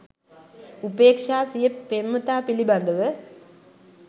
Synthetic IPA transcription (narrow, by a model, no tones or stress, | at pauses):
upeːkʂaːsijɐpːemːɐt̪aːpilibɐnd̪ɐʋə